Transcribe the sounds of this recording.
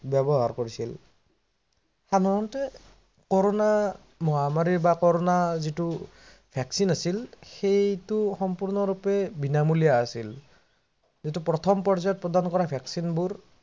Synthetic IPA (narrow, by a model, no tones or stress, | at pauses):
bjɔbɔɦaɹkoɹisil | xadʱaɹɔntɛ | kɔɹɔna | mɔɦamaɹiɹbakɔɹɔnazitu | bʱɛksinasilxejtuxɔmpuɹnɔɹupɛbinamulijaːsil | zitupɹɔt̪ʰɔmpɔɹzajɔt̚pɹɔdankɔɹabʱɛksinbuɹ